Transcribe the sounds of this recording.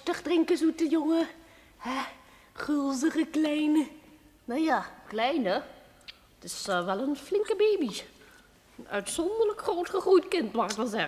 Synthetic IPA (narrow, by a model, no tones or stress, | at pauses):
təχdrɪŋkəzutəjʊŋə | hɛ | χølˠzərəklɛjnə | nowjaːklɛjnə | tɪsʋɛlˠənflɪŋkəbeːbi | ənœ̰ɥtsɔndələkχrowtχəχrujtkɪntmaχɪkʋɛlzɛə